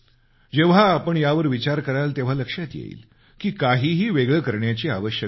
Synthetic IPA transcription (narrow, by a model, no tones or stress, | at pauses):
d͡ʑeʋ̤aːpəɳjaʋəɾʋit͡ɕaɾkəɾalt̪eʋ̤aləkʂjat̪jḛḭːl | kiːkaɦiːɦiːʋeɡɭəːkəɾɳjat͡ɕiaʋəɕjə